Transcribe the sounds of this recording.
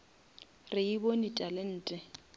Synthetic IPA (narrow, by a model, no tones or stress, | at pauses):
rɪibonitʼalɪn̩ːtʼɛ